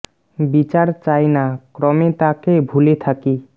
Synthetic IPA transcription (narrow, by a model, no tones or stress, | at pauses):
bit͡ɕaɾt͡ɕajnakɾɔmet̪akebʱulet̪ʰaki